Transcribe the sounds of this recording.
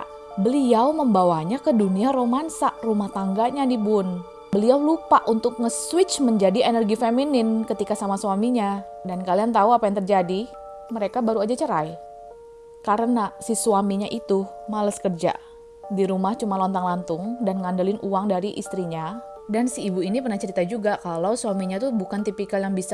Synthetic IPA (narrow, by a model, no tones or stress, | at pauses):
bəliawməmbawaɲakəduniaɾomansaʔrumaht̪aŋɡaɲadibun | bəliawlupaʔunt̪ʊk̚ŋəswɪt͡ʃməɲd͡ʒadienərɡifeminɪnkət̪ikasamasuwamiɲa | dankaliant̪auapajaŋt̪ərd͡ʒadi | məɾekabaɾuad͡ʒat͡ʃəɾaj | kaɾənasisuamiɲaʔit̪umaləskərd͡ʒa̰ | diɾumaht͡ʃumalɔnt̪aŋlant̪ʊŋdanŋandəlɪnʔuwaŋdaɾiʔḭst̪ɾiɲa | dansiːbuinipərnaht͡ʃəɾit̪ad͡ʒuɡakalawsuamiɲat̪ubukant̪ipikaljaŋbisa